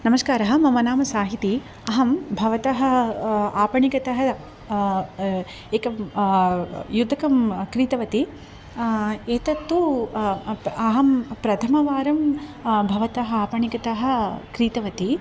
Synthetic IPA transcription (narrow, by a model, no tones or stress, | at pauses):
nɐmɐskaːɾɐɦɐ̆mɐmɐnaːmɐsaːɦit̪i | ɐɦɐmbʱɐʋɐt̪ɐɦɐ̆aːpɐɳikɐt̪ɐɦɐ | eːkɐm | jud̪ʱɐkɐmkɾiːt̪ɐʋɐt̪i | eːt̪ɐt̪ːu | ɐɦɐmpɾɐt̪ʰɐmɐʋaːɾɐmbʱɐʋɐt̪ɐɦɐaːpɐɳikɐt̪ɐɦɐ̆kɾiːt̪ɐʋɐt̪i